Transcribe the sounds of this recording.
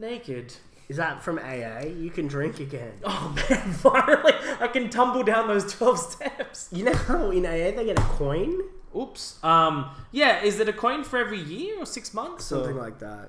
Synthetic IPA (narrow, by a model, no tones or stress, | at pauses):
neɪkɪd̥ | ɨzðətfɹʌ̃mḛɪeɪjɨkʰɨ̃ndɹɪ̃ŋkɨɡɛ̰̃noʊmævaɪɹɨ̃nliaɪkɨ̃ntʰʌ̃mbl̩ˠdãʊ̃nðoʊz̥tʰw̥ɛlˠv̥stʰɛpsjɨnoʊhaʊɪ̃neɪeɪðeɪɡɛɾɨkʰɔ̃ɪ̃nupsʌ̃mjæɪzðɨɾɨkʰɔ̃ɪ̃nfə˞ɛvɹijɪɹə˞sɪksmʌ̃nθsʌ̃mθɪ̃ŋlaɪk̚ðæ̰t̚